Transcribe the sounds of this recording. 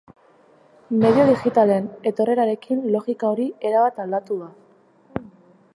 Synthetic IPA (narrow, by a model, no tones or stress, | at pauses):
me̞ðjo̞ðixit̪alene̞t̪o̞re̞ɾaɾe̞kʰinlo̞ɣikao̞ɾie̞ɾaβat̪ald̪at̪uða